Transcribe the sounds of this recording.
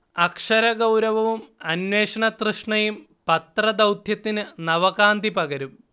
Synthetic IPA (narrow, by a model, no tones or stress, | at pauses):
ɐkʂɐɾɐɡɐwɾɐʋɐʋumɐnweːʂɐɳɐt̪rɨʂɳɐjum | pɐt̪rɐd̪ɐwd̪ʱjɐt̪ːinɨnɐʋɐɣaːnd̪ipɐɣɐɾum